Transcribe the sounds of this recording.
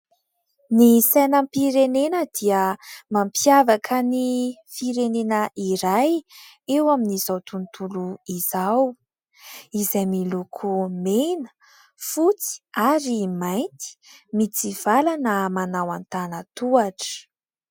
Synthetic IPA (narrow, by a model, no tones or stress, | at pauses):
nisanəmpiɾenenəd̪̥iəmampjavakʰənifiɾenenəiɾaj | ewaminizawt̪unt̪uluiz̥aw | izajmilukʰumenə̥ | fut͡si̥aɾimajnt̪i̥mit͡siv̥alanəmanawant̪anət̪uaʈ͡ʂə̥